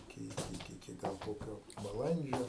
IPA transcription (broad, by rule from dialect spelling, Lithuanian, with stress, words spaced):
ɪˈkʲɪ ɪˈkʲɪ ɪˈkʲɪ ˈɡɐlˠ ˈkoːkʲoː bɐˈlˠɐnʲd͡ʒʲoː